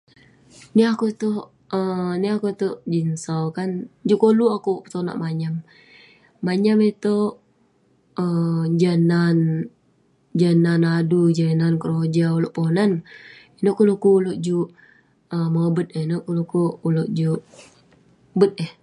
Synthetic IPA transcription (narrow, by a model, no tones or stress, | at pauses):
niakut̪o | əniakut̪od͡ʒinsawkand͡ʒuʔkoluakupə̥t̪ona̰ʔmaɲamː | aɲamet̪oʔ | əd͡ʒənan | d͡ʒənanadud͡ʒənankəɾod͡ʒauloʔponaninoʔkulukuːloʔd͡ʒuʔ | əmabət̪̚enoʔkulukuuloʔd͡ʒuʔ | bət̪̚eh